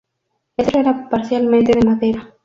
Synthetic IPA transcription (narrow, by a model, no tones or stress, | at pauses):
elt̪ɾoeɾapaɾθjalmẽnt̪eðemaðeɾa